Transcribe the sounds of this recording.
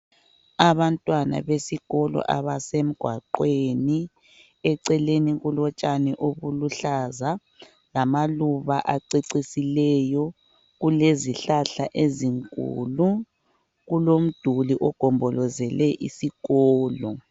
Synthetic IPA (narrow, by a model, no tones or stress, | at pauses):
aβantʼwana̰βesiɣɔlɔ̰ʔaβasem̩ɡ̥ʱwaǃweni | ɛǀɛleniɣulɔt͡ʃʼanɛʔoβuluɬaza | lamaluβaʔaǀiǀisilɛjɔ | ɣuleziɬaɬaʔeziŋkʼṵːlu | ɣulom̩d̥ʱuliʔɔɡ̥ʱɔmbʱɔlɔzɛlɛʔḭsiɣɔːlɔ